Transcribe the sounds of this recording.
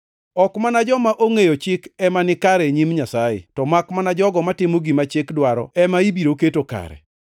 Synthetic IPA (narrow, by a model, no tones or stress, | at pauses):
ɔkmanad͡ʒɔmaʔoŋejot͡ʃɪkɛmanɪkaɾɛɲimɲasajɪ̰tɔmakmanad͡ʒɔɡɔmatɪmoɡimat͡ʃɪkdwaɾɔ̰ɛmaibiɾoketoka̰ɾɛ̰